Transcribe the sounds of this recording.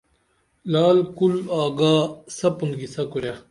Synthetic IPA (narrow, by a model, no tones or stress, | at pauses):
laːlkulaːɡaːsɐpunɡisɐkuɾja